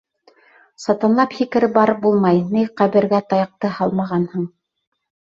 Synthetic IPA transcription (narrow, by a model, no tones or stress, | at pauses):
sɑt̪ɑnlˠɑphikɘ̆ɾɘbɑɾbulˠmɑjnɘjqæβɘ̆ɾɡæt̪ɑjɑq̚t̪ɤhɑlˠmɑʁɑnhɤɴ